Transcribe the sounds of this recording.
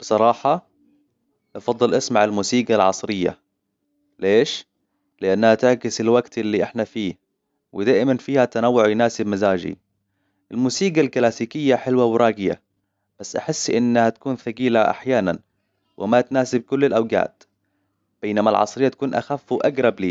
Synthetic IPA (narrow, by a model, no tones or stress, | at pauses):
b̥ɨsˤɑɾˤɑːħɑ | ʔɑfɑd̪ˤːɨlʔasmaʕalmuːsiːɡalʕɑsˤɾɪjːa̰ | leːʃ | lɪʔanːhat̪ɪʕkɪsɪlwaɡt̪ɪlːiʔɪħnafiː | wɪd̪aːʔɪmanfiːhat̪anawːʊʕjɪnaːsɪbmazaːd͡ʒḭ | ʔɪlmuːsiːɡalkɪlaːsiːkɪjːaħɪlwawɾˤɑːɡɪja̰ | b̥asːʔaħɪsːʔɪnːhat̪ḁkuːnθaɡiːlaʔa̰ħjaːnan | wʔɪ̰mat̪naːsɪb̚kʊlːɪlʔawɡa̰ːt̪ | b̥eːnamalʕɑ̰sˤɾɪjːat̪ḁkuːnʔa̰xafːuwʔaɡɾˤɑbliː